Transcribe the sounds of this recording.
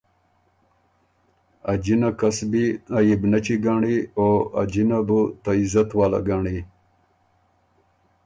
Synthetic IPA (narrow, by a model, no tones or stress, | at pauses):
ɐd͡ʑinakɐsbiajibnɐt͡ɕiɡaɳioa̰d͡ʑinabut̪ɐizɐt̪waːla̰ɡaɳi